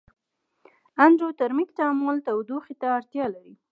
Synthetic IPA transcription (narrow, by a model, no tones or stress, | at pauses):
and̪ɾot̪aɾmikt̪amolt̪awd̪uxit̪aːɾt̪jɑlaɾi